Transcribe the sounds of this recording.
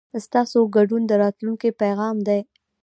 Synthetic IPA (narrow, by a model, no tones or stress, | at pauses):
st̪ɑsoɡaɖund̪əɾɑt̪luŋkipajɣɑmd̪aj